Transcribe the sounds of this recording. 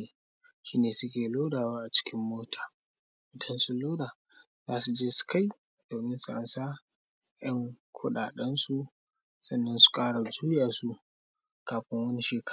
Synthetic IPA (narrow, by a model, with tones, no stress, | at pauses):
ʃiː˦neː˨sʊ˦kʲeː˨loː˦daː˨waː˦ʔa˨t͡ʃɪ̥˦kʲɪ˦mːoː˦tʰḁː˨ | ʔʊ˦˨tʰɐ˦nsu˦loː˦daː˨ | zaː˦su˨d͡ʒeː˦su̥˦ka˦˨j | d̥oː˨mɪ˦nsʊ˦ʔa˨nsa˦ | jɐ˦ŋkʷʰʊ˦ɗaː˨ɗɛ˦nsu˦ | sɐ˦nːɐ˦nsu̥˦kʼaː˦ɽa˨zuː˦jaː˨su˦ | kaː˨ɸɪ˦ŋwɐ˦ni˦ʃeː˨k